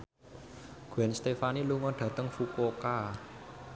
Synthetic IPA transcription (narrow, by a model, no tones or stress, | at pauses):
ɡ̥uɛnst̪efaniluŋɔɖ̥ä̤t̪əŋfukoka